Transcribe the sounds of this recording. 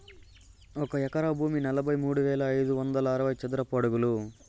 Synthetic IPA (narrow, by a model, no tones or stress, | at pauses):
ɔkɐɛkɐɾɐbʱuːminɐlɐbʱɐjmuːɽuʋɛːlɐːjd̪uʋɐnd̪ɐlɐɐɾɐʋɐjt͡ʃɐd̪uɾɐpoɽuɡulu